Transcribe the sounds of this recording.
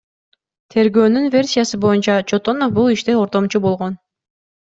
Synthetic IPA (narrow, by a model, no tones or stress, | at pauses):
t̪ʰe̞ɾɡøːnynvʲe̞rʲsʲijasɯbo̞junt͡ʃɑt͡ʃot̪o̞nofbulˠiʃt̪eo̞ɾt̪o̞mt͡ʃubo̞lˠʁo̞n